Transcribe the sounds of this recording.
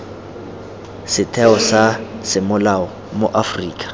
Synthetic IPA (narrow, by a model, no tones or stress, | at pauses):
sɪtʰɛɔsasɪmʊlaɔ | moʔafriːkʼḁ